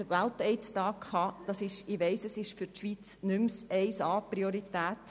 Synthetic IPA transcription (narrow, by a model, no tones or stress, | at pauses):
əʋæltɛɪstɑːkʰhɑd̥ɑsɪʃɪʋɛɪsɛsɪʃfʏɾtʃʋit͡snʏmsɛɪsɑːpɾioɾitæːt